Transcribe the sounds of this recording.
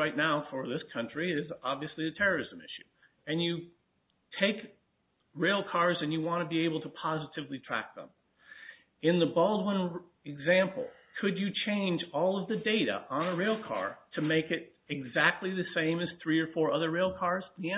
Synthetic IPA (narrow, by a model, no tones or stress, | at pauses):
aɪtⁿnaʊfə˞ðɪskʰʌ̃nt͡ʃɹ̥iɪzɑbviɨsliɨtʰɛɹə˞ɪz̃mɪ̰ʃʉ | ɨ̃njɨ | tʰeɪk | ɹeɪlˠkʰɑɹzɨ̃njɨwɑ̃nɨbieɪbl̩ˠtʰəpʰɑzɨɾɨvlitʰɹ̥æ̰k̚ðə̰̃m | ɨ̃nðəbʌlˠd̚wɪ̃n | ɨɡzæ̃mpl̩ˠ | kʰɨd͡ʒɨt͡ʃʰẽɪ̃nd͡ʒɔlˠʌvðɨdeɪɾɨ̰ʔə̃nəɹeɪlˠkʰɑ̰ɹɾɨmeɪkɪɾ | ɨɡzæk̚tˡliðɨsẽɪ̃mɨz̥θɹiə˞fɔɹʌðə˞ɹeɪlˠkʰɑɹz̥ðĩ